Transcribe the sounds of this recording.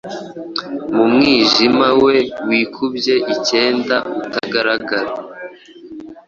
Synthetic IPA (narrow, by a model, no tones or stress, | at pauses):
mumŋiːʒimawe̞wiːkʰubje̞ʔice̞ːndautaɡaɾaɡaɾa